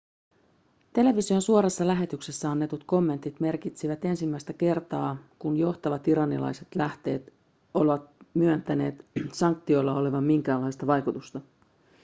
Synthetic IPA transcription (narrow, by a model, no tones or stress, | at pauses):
t̪e̞le̞ʋisio̞nsuo̞ɾɑsːɑlæɦe̞t̪ykse̞sːæɑnːe̞t̪ut̪ko̞mːe̞nt̪it̪me̞rkit̪siʋæt̪e̞nsimːæjst̪æke̞rt̪ɑːkunjo̞ht̪ɑʋɑt̪iɾɑnːilɑ̰jse̞t̪læht̪e̞ːt̪ | o̞lʋɑt̪̚myønt̪æne̞ːt̪sɑŋk̚t̪ːio̞jlːɑo̞leʋɑmːiŋk̟æːlːɑjst̪ɑʋɑjkut̪ust̪ɑ